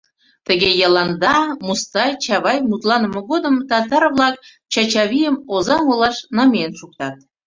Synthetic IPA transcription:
t̪ə̆ɣʲejɑlˠɑnd̪ɑmust̪ɑjt͡ɕɑβɑjmut̪lˠɑnə̆mɤ̆ɡod̪ə̆mt̪ɑt̪ɑrvlˠɑk̚ | t͡ɕɑt͡ɕɑβʲijəmozɑŋolˠɑʃnɑmʲenʃuk̚t̪ɑt̪̚

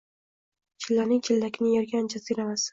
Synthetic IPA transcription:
t͡ʃʰɪlːanɪŋt͡ʃʰɪlːakʲnɪjɒɾɡʲand͡ʒʰaziɾamas

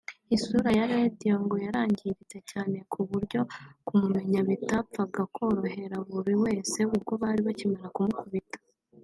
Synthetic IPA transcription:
isuɾajaɾe̞dijoŋɡo̞jaɾaːɲɟiɾit͡se̞caːne̞kʰuβuɾɟo̞kumume̞ɲaβitap͡faɡakʰo̞ːɾo̞ɦe̞ɾaβuɾiwe̞ːse̞ubɡo̞βaɾiβacimaɾakumukuβitḁ

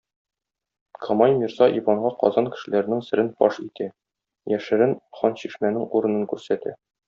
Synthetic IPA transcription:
kʰɒmɑjmʲiɾzɑʔibɑɴɢɑqɒ̰zɑnkɘ̥̆ʃɘ̆læɾɘ̆nɘŋsɘ̆ɾɘnfɒʃit̪æ | jæʃɘ̆ɾɘnχɒnɕiʃmænɘŋuɾɤ̆nɤ̆ŋkʉɾsæt̪æ̰

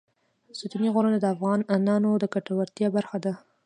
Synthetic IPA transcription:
sut̪uniɣoɾənad̪əafɣɑnanɑnod̪əkaʈawaɾt̪jɑbaɾxad̪a

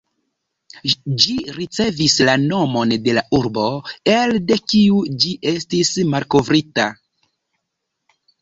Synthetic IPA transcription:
d͡ʒiɾit͡se̞vislano̞mo̞nde̞laʔuɾbo̞elde̞kiud͡ʒiʔe̞stismalko̞vɾita

